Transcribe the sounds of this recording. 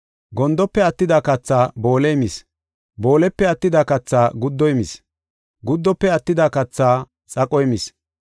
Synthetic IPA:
ɡɔnd̪ɔpːɛɐt̪ːɪd̪akɐt͡sːaːbo̞ːlɛjmis | bo̞ːlɛpːɛɐt̪ːɪd̪aːkɐt͡sːaːɡʊd̪ːɔjmɪs | ɡʊd̪ːɔpːɛɐt̪ːɪd̪aːkɐt͡sːaː | t͡sʼɐkʼɔjmɪs

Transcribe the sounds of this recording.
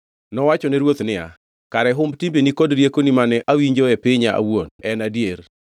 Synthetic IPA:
nɔwat͡ʃɔnɛɾwot̪nɪa̰ | kaɾɛɦʊmbtimbenikodɾjekonimanɛʔawiɲd͡ʒoɛpɪɲaʔa̰wonɛnadjer

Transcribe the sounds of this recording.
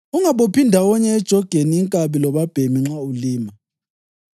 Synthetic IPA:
uŋaɓopʰindʱawɔɲɛːd̥ʒ̥ʱɔɡ̥ʱeniːŋkʼaβilɔβab̥ʱemiŋ͡ǁauliːma

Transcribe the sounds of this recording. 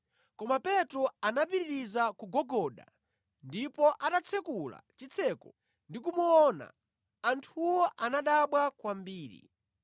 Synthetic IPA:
kɔmapɛtɾɔanapiɾiɾizakuɡɔɡɔɗa̰ | ndipɔʔatat͡sʰɛkula̰t͡ʃit͡sʰɛkɔ | ndikumuɔna̰ | antʰuwɔʔanaɗaɓwakwambiːɾḭ

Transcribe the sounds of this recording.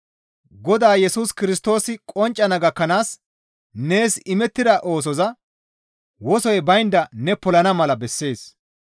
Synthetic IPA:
ɡɔd̪aːjɛsuːskɪɾɪst̪o̞ːsɪkʼɔnt͡ʃʼːɐnɐɡɐkːɐnaːs | ne̞ːsɪmɛt̪ːɪd̪ɐʔo̞ːs̬ɔzɐ | wɔsɔjbɐjnd̪ɐnɛpɔlɐnɐmɐlɐbɛsːe̞ːs

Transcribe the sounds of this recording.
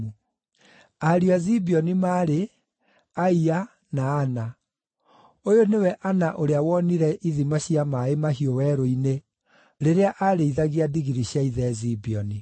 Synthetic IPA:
u | aɾiazibiɔnimaːɾe | aia | naːna | ojonewɛʔanaʔoɾeawɔniɾɛʔiðimaɕiamaemahiowɛɾoine | ɾeɾeaʔaɾeiðaɣeadiɣiɾiɕjaiðɛzibiɔni

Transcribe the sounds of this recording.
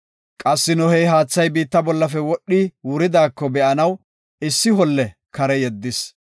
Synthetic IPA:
kʼɐsːɪnɔhɛjɦaːt͡sːɐjbiːt̪ːɐbɔlːɐfɛwɔɗːiːwʊɾɪd̪aːkːɔbɛʔɐnɐw | ɪsːɪhɔlːɛkɐɾɛjɛd̪ːɪs

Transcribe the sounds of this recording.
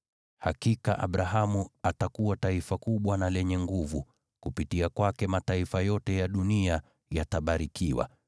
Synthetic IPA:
hakikaʔa̰ɓɾaɦamuatakuwataifakuɓwanalɛɲɛŋɡuvu | kupitiakwakɛmataifajɔtɛjaɗunia | jataɓaɾikiwa̰

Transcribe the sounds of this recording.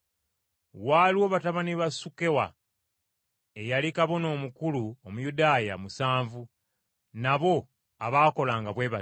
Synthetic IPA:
waliwo̞ːβataβaniβasuke̞wa̰ | ejalikaβo̞no̞ːmukuluomujudaːja̰musaːɱvu | naβo̞ | aβaːko̞laːŋɡaβwe̞ːβa

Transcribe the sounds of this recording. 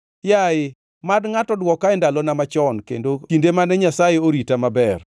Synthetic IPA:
jaɪ | madŋatɔdwɔkaɪndalɔnamat͡ʃɔnkḛndoindemanɛɲasajeoɾitamabɛr

